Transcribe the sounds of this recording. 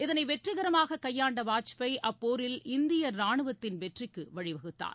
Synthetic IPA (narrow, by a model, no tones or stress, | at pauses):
ɪðɐnɐɪʋɛʈrɯɣɐɾɐmaːɣɐkɐjːaːɳɖɐʋaːt͡ʃpɐɪʔɐpːoːɾɪlʔɪnd̪ɪjɐnaːɳɯʋɐt̪ːɪnʋɛʈrɪkːɯʋɐɻɪʋɐɣɯt̪ːa̰ːn